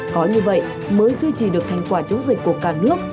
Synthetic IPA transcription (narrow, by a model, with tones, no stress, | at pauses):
kɔ˨˦ɲɨ˧və̰˧˨j | məː˨˦jzwi˧t͡ɕi˧˩ɗɨ˨˩ək̚t̪ʰa˧jŋ̟kwaː˧˩t͡ɕə˨˦wŋ͡mzï˨˩k̚kːu˧˩əkaː˧˩nɨ˦˥ək̚